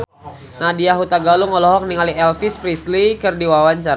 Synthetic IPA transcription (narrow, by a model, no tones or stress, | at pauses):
nadiaɦut̪aɡaluŋɔlɔɦɔk̚niŋaliɛlfispɾislikərdiwawaɲt͡ʃaɾa